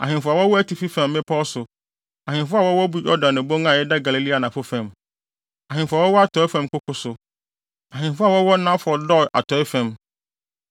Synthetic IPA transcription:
a˨ɦɪ̃˨fʊ˦a˨wɔ˦wɔ˦æ˦ti˨fi˦fɛ̃˨mːɪ̃˦pʰɔ˦sʊ˨ | a˨hɪ̃˨n˦fʊ˦a˦˨wɔ˦wɔ˦bu˦jɔ˦dã˨nːʊ̃˨bo˦ŋã˨jɛ˦da˦ɡa˨li˨li˦a˨nã˨fʊ˦fɛ̃˨m | a˨ɦɪ̃˨fʊ˨a˨wɔ˦wɔ˦a˦tʰɔ˨˦ɪ˦fɛ̃˦mkʊ˦kʊ˦sʊ˨ | a˨ɦɪ̃˨nfʊ˦a˨wɔ˦wɔ˦nã˦fʊ˨˦ɔ˨dɔ˦˨a̰˨tʰɔ˨˦ɪ˦fɛ̃˨m

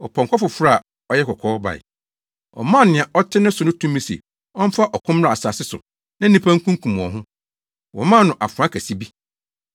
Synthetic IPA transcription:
ɔ˨pʰɔ̃˨ŋkʰɔ˦fʊ˨fɾa˦a˨ | ɔ˦jɛ˦kʰɔ˨kʰɔː˦ba̰˨ɪ̰˨ | ɔ̰˨mãː˦˨nɪ̃˨a˨ʔɔ˦tʰɪ˦nʊ̃˦sʊ˨nʊ̃˦tʰũ˦mĩ˦sḛ˨ | ɔ˦m˦fa˦ʔɔ˨kʰʊ̃˦m˦ɾa˨a˨sa˨sɪ˦sʊ̰˨ | nã˦nĩ˦pʰã˦ŋkʰũ˦kʰũ˨m˨ɔ̰̃˨ɦʊ̃˦ | wɔ̰˨mã˦˨nʊ̃˨ʔa˨fʊ˨ã˦kʰæ˨si˦bi˦

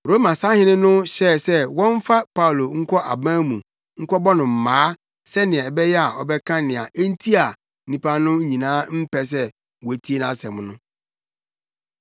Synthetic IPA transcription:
ɾo˦mã˨sa˦hɪ̃˦nɪ̃˦nʊ̃˦ɕɛ˦˨sɛ˦wɔ̃˦ɱ˦fa˦pa˦u˨lo˨ŋ̩˦kʰɔ˦ʔa̰˨bãː˦mũ˨ | ŋ̩˦kʰɔ˦bɔ˦nʊ̃˨m̩˨mãː˨˦ | sɛ˦nɪ̃˨ɛ̃˨bɛ˦jɛ˦a˨ɔ̰˨bɛ˦kʰã˦nɪ̃˨a˨ʔe˦n˦tʰi˦a˨˦ | ĩ˦pʰa˦nʊ̃˦ɲĩ˨nãː˦m̩˦pʰɛ˨s̬ɛ˦ | wɔ˨tʰi˦e˦nã˦sɛ̃˨mʊ̃˦nʊ̃˦

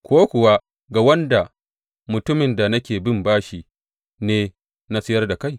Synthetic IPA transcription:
kʷoː˦kʷʊ˨wa˦ | ɡa˨wɐ˦nda˨ | mʊ˨tʊ˦mɪ˨nda˨nɐ˦kʲeː˨bɪ˦mbaː˦ʃi˦˨ | neː˦ | na˦sɪ˦jɐ˦rda˨ka˦˨j

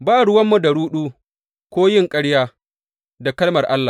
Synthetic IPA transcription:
baː˦˨ɽʊ˦wɐ˦mːu˨da˨ɽuː˦ɗuː˦ | kʷoː˦jɪ˦ŋkʼɐ˦ɽjaː˦ | da˨kɐ˦lmɐ˨rʔa˦lːa˨

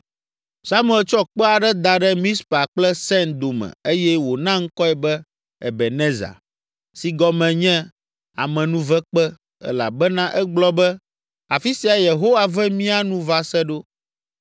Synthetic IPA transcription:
sa˦mu˨ɛ˨lt͡ʃɔ˦k͡pɛ˦a˨ɖɛ˦d̪a˨ɖɛ˦mĩ˦spa˨k͡plɛ˦sɛ̃˦nd̪o˨mɛ̰̃˨e˦jɛ˦wo˨nã˦ŋ̩˦kɔ˦ɛ˨bɛ˦ | ɛ̰˨bɛ˨nɛ̃˦za̰˨ | si˨ɡɔ˨mɛ̃˨ɲɛ̃˦ | a̰˨mɛ̃˨nũ˦vɛ˦k͡pɛ˦ | ɛ̰˦la̰˨bɛ˦nã˦ʔɛ˦ɡ͡blɔ˦bɛ˦ | a˨fi˦si˨˦a˨je˨ɦo˦wa˨vɛ˦mĩ˦a˦nũ˦va˨sɛ˦ɖo˦

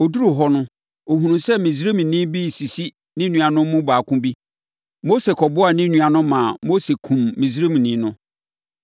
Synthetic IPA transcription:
o˨du˦ɾu˦˨ɦɔ˦nʊ̃˦ | o˨ɦũ˨nũ˨sɛ˦mĩ˨z̬ɾe˦mĩ˨nĩ˦bi˦si˨si˦ | nɪ̃˦nũ˨a˨nʊ̃˦m˦mʊ̃˦baː˨kʊ̃˦bi˦ | mo˦se˨kʰɔ˨bʊ˦a˨nɪ̃˦nũ˨a˨nʊ̃˦mã˨mo˦se˨kʰũ˨mːĩ˨zɾe˦mĩ˨nĩ˦nʊ̃˦

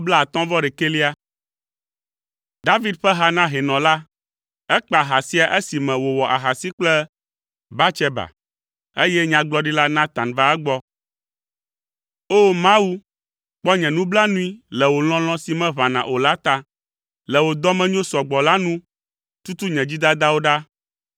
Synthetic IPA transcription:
bla˦a˨t̪ɔ̃˦vɔ˦ɖɛ˨ke˦li˦a˦ | d̪a˦vi˦d̪ɸɛ˦ɦa˦nã˦ɦɛ˨nɔ̃˨la˦ | ɛ˦k͡pa˨ɦa˨si˦a˨ʔe˦si˨mɛ̃˨wo˨wɔ˨ʔa˨ɦa˨si˦k͡plɛ˦ | ba˦t͡ʃɛ˦ba̰˨ | e˦jɛ˦ɲã˨ɡ͡blɔ˦ɖi˦la˦nã˦t̪ã˨nva˦ɛ˦ɡ͡bɔ˦ | o˦mã˦wu˦ | k͡pɔ˦ɲɛ̃˨nũ˦bla˦nũ˦i˦lɛ˨wo˨l̃ɔ̃˦l̃ɔ̃˦si˨mɛ̃˦βã˨nã̰˨ʔo˨la˦t̪a˦ | lɛ˨wo˨d̪ɔ˦mɛ̃˦ɲõ˦sɔ˨ɡ͡bɔ˨la˦nũ˦ | t̪u˦t̪u˦ɲɛ̃˨d͡ʑi˦d̪a˦d̪a˦wo˦ɖa˦

